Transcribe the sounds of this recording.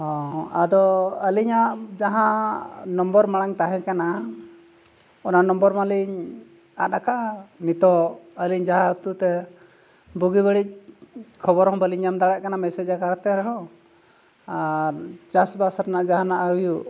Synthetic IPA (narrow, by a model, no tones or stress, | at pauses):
hɔ̃ad̪ɔəliɲaʔd͡ʒaɦãnɔmbɔɾmaɽaŋt̪aɦɛ̃kana | ɔnanɔmbɔɾmaliɲ | a̰t̪akaʔnit̪ɔəliɲd͡ʒaɦãt̪ut̪ɛ | buɡibəɽic̚kʰɔbɔɾhɔ̃bəliɲamd̪aɽaʔ̚kanamɛsɛd͡ʒakaɾt̪ɛɾɛɦɔ̃ | aɾt͡ʃasbasaɾnaʔd͡ʒaɦãnaʔaujuʔ